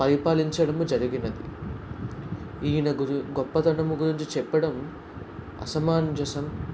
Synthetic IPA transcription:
pɐɾipaːliɲt͡ʃɐɽɐmud͡ʒɐɾiɡinɐd̪ḭ | iːnɐuɡɔpːɐt̪ɐnɐmuɡuɾiɲt͡ʃit͡ʃɛpːɐɽɐm | ɐ̰sɐmaːnd͡ʒɐsɐm

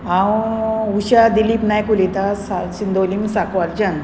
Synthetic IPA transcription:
ãwuɕad̪ilipnajkulit̪asasind̪olimsakʋald͡ʑan

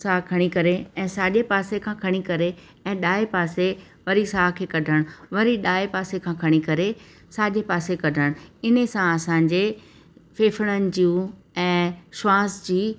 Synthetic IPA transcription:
saːkʰɐɽ̃ikɐɾeɛ̃ːsaːʄepaːsekʰãkʰɐɽ̃ikɐɾe | ɛ̃ːɗaːepaːse | ʋɐɾisaːɦkʰeːkɐɖʱəɽ̃ʋɐɾiɗaːepaːsekʰãːkʰɐɽ̃ikɐɾe | saːʄepaːsekɐɖʱəɽ̃ɪnsãɐsãːɲd͡ʑe | feːfəɽ̃ənɪ̆d͡ʑũ | ɛ̃ːʃwaːsd͡ʑiː

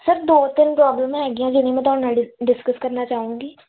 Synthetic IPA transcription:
səɾd̪oːt̪ɪnpɾɔːbləmɦɛːɡɪjãd͡ʒɪnĩmɛ̃ːt̪ɔːɽnaɖɪɖɪskəskɐɾnat͡ʃaːɦũːŋɡiː

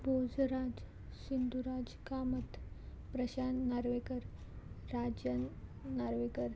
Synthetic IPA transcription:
bod͡zɾad͡ʑ | ɕind̪uɾad͡zkamət̪ | pɾəɕanːaɾʋekəɾː | ad͡ʑjənːaɾʋekəɾ

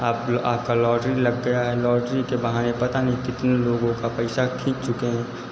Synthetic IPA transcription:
aːpaːp̚kalɔːɾɖɾilɐɡːɐjaɦɛlɔːɾɖɾikebɐɦanepɐt̪anɐɦĩkɪt̪neloːɡõkapɛɪsakʰĩːkt͡ʃʊkeɦɛ̃ː

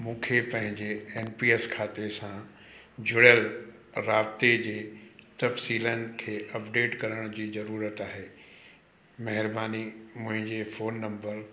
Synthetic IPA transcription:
mũːkʰepɐ̃ɦɪ̃ɲd͡ʑeeːnpiːeskʰaːt̪esã | d͡ʑʊɽəl | ɾaːbt̪ed͡ʑeːt̪ɐfsiːlənɪ̆kʰeːʔɐpɖeːʈkɐɾəɽ̃ʊd͡ʑiːzɐɾuːɾət̪aːɦeː | mɐɦɪɾbaːnimʊ̃ɦɪ̃ɲd͡ʑefoːnːɐ̃mbəɾ

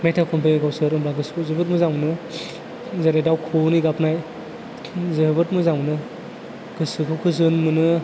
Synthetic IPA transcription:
metʰakʰɔmpeɡawsɯɾɯmblaɡɯskuzɯbɯt̚mɯzaŋnɯ | zaɾejdawkʰuniɡapnaj | zɯbɯtmɯzaŋnɯ | kɯsɯkʰɯwkʰɯzɯnmɯnɯ

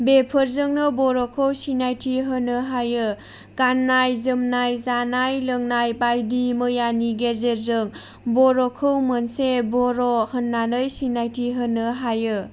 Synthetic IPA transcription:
bepʰəɾzɯŋnɯbɔɾɔkʰɯwsinajtʰiɦənɯɦajɯ | kanːajzɯmnajzanajləŋnajbajdimɯjaniɡeɾzeɾzɯŋ | bɔɾɔkʰɯwmənsebɔɾɔhənːalɯjsinajtʰiɦənɯɦajɯ

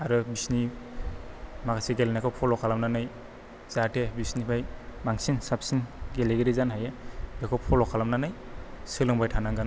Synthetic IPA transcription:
aɾɯbisni | makaseɡelenakʰɔpʰɔlɔkʰalamnanaj | z̥atebisnibʰajmaŋsinsap̚sinɡeleɡeɾizanɦajɯbekʰɔpʰɔlɔkʰalamnanajsɯlɯŋbajtʰanaŋɡan

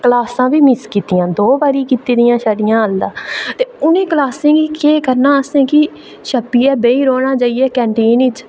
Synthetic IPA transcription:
klaːsãːʋiːmɪskiːt̪ɪjãːd̪oːbaːɾiːkiːt̪iːd̪ɪjãːʃəːɽɪjãːəld̪aːt̪eːʊnẽːkəlaːsẽːɡiːkeːkəɾnãːəsẽːkɪ | ʃəpːiːɛːbeːiːɾoːɽ̃aːt͡ʃaːiːɛːkɛ̃ːɳʈeːnɪt͡ʃ

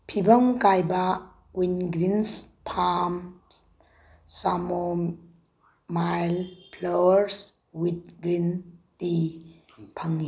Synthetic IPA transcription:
pʰibəŋkajba | winɡɾins | pʰam | samo | majlpʰlawəɾs | wit̚ɡɾinti | pʰaŋːi

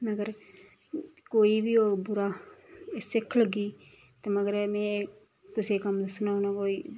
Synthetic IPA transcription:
məɡəɾ | koːiːbiːoːbʊɾaː | sɪkʰləɡiː | t̪eːməɡəɾmɛ̃ː | kʊsekəmd̪əsnaːonãkoːiː

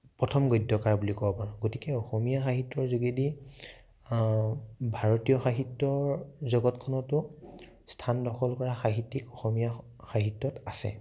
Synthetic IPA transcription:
pɹɔtʰɔmɡojdɔkaɹbulikɔbɔpaɹ̃ɡotikɛɔxɔmijaxaɦitːɔɹzuɡedi | bʱaɹotijɔxaɦitːɔɹzɔɡɔtkʰɔnɔtʊ | stʰandɔxʰɔlkɔɹaxaɦitːikɔxɔmija | xaɦitːɔtasɛ̰

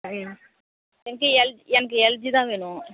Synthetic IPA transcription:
ɛnɐk̬ːɨɛld͡ʒɛnɐk̬ːɯɛld͡ʒit̪ãːʋeːnʊ̃

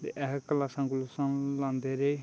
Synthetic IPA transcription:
t̪ḛʔɛɦkəlaːsãːŋɡʊlsãlãːnd̪eːɾeː

